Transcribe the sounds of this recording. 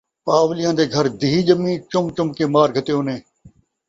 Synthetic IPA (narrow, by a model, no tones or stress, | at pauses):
paːʋlɪjãːd̪eːɡʱəɾd̪iːiːd͡ʒəmĩːt͡ʃʊmt͡ʃʊmkeːmaːɾɡʱət̪eːoːnẽː